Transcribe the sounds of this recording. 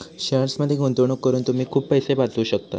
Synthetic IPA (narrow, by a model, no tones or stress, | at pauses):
ɕaɾsməd̪ʱjeɡʱont̪oɳ̃okːəɾuːnt̪um̤iːkʰuːppəjsebat͡s̪luːɕək̚t̪a̰